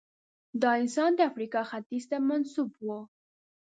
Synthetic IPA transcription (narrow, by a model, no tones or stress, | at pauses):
d̪ɑɪnsɑnd̪əafɾikɑxat̪izt̪amansubwo